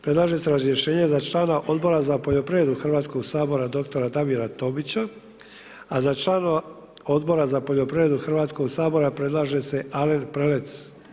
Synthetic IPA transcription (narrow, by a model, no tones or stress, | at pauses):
pɾe̞d̪lˠaːʒe̞se̞ɾazɾje̞ʃe̞ːɲe̞zat͡ʃlaːnaʔo̞d̪bo̞ɾazapoʎo̞pɾie̞d̪uxr̩ʋaːt̪sko̞ɡsaːbo̞ɾad̪o̞k̚t̪o̞ɾad̪aʋiɾat̪o̞bit͡ɕa | azat͡ʃlaːna | o̞d̪bo̞ɾazapo̞ʎo̞pɾiɾed̪uxrʋaːt̪sko̞ɡsaːbo̞ɾapɾe̞d̪lˠaːʒe̞se̞alenpɾelet̪s